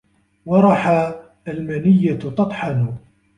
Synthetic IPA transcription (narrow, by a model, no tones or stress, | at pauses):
wɑɾˤɑħa | almanɪjːat̪ɑt̪ˤħɑnʊ